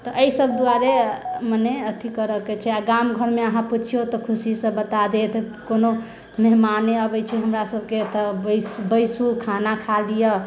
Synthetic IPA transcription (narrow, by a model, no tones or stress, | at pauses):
t̪ɔʔəisəbʱd̪uaɾeməneət̪ʰikəɾəket͡ʃʰɛaɡamɡʱəɾmeəɦãput͡ʃʰijot̪ɔkʰusisə̃bət̪ad̪et̪ʰ | kono | meɦmaneəbət͡ʃʰɛɦəmɾasəbʱket̪absbəjsukʰanakʰalijə